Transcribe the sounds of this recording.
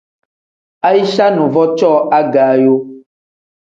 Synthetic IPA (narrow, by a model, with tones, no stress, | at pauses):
a˦ji˦ʃa˦nũ˨vɔ˦t͡ʃɔ˦a˦ɡa˨˦jo˦